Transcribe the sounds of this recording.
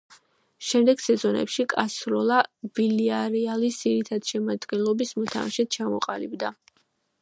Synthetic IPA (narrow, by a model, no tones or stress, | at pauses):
ʃɛmd̪ɛɡ̥sɛzɔnɛ̰pʃikʼasɾɔlˠab̥iliaɾialisziɾit̪ʰad̪̥ʃɛmad̪ɡɛnlˠɔbismɔt̪ʰa̰maʃɛt̪̚t͡ʃʰamɔ̰qʼalibd̪a